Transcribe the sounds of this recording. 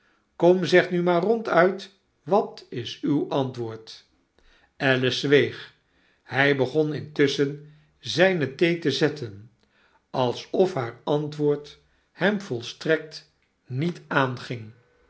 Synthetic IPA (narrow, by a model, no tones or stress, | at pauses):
kɔmzɛχtnymaːrɔntœɥt | ʋɑtɪsywʔɑntʋʊːɹt | ɛləzʋejχ | hɛjbəχɔnɪntʏsən | zɛjnətejtəzɛtʰən | ɑlˠsɔfɦaːɹɑntʋʊːɹt | hɛmvɔlˠstrɛk̚t | nitaːnχɪŋ